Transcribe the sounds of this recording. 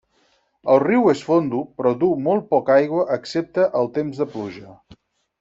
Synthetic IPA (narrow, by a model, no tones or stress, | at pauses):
əlˠriwesfond̪upɾɔðumolˠt̪̚pɔkajɣwəʔəksep̚t̪əʔəlˠt̪emzðəpluʒə